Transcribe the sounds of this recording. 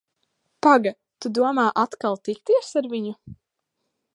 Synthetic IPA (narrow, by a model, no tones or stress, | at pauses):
paɡa | t̪ud̪uɔmaːʔat̪kalˠt̪ikt̪iɛsaɾviɲu